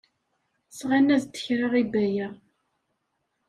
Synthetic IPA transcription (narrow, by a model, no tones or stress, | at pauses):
sʁænːæzt̪ːə̥çɾiʁibæjæ